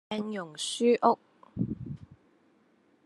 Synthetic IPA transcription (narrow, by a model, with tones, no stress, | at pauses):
ɛ˧ŋjʊ˨˩ŋsyː˥ʔʊ˥k̚